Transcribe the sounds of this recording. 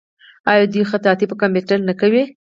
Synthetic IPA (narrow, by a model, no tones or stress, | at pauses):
ɑjɑd̪ixat̪ɑt̪ipəkambeʈəlnakawi